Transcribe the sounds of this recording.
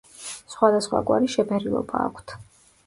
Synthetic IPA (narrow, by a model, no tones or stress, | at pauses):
sχwad̪asχwa̰kʼwaɾiʃɛpʰɛɾilˠɔ̰baːkʷʰt̪ʰ